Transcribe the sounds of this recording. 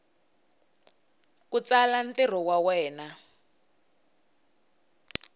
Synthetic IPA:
kut͡salan̩tir̤ɔwawɛːna

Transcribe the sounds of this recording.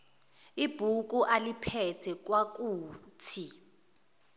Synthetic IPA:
ib̥ʱuk̬ʼuʔalipʰɛtʰɛk̬wak̬ʼuːtʰi

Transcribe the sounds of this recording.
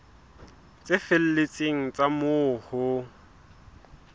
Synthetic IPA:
t͡sʼɪfel̩let͡sʼeŋ̩t͡sʼamʊhʊ

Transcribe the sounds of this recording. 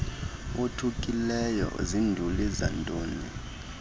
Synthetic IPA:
otʰukʼilɛjɔ̰zindʱuliza̰ntʼoːni

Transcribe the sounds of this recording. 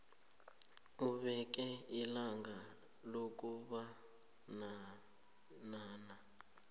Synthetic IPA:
uβɛk̬ʼɛilaŋɡʱa | lok̬ʼuβa | na | naːna

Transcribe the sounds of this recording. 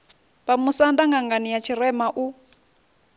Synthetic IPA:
βamusandaŋɡaŋɡanijat͡ʃʰirɛmaʔu

